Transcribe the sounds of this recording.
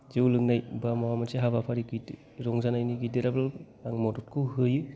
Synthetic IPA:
zɯwlɯŋnajbamawamaseɦaβapʰaɾiɡid | ɾɔŋzanajniɡidiɾabl | aŋmɔdut̚kʰɯwɦɯjɯ

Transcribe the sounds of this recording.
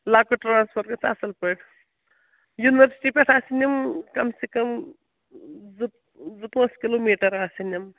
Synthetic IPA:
laːkoʈɾãːnspʰoɾʈkɐt͡sʰaːsɐlpəʈʰ | juniʋɐɾsi̥ʈipʲɐʈʰaːsinimkɐmsekɐm | z | zupɐ̃ːskiloːmiːʈɐɾaːsinim

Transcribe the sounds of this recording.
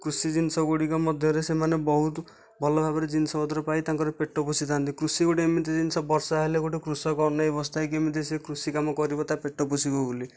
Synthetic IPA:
kɾusid͡ʒinsɔɡoɽikɔmɔd̪ʱjɔɾesemanebɔɦut̪ | bʱɔlɔbʱabɔɾed͡ʒinisɔbɔd̪ɔɾɔpaijt̪aŋkɔɾepeʈːɔposit̪ʰant̪ikɾusikoʈiemit̪id͡ʒinsɔbɔɾsɔaɦelekoʈekɾusɔkɔɔnːɔebɔst̪ʰajk̬emit̪̬isekɾusikamɔkɔɾibɔt̪apeʈːɔposibɔɡuli

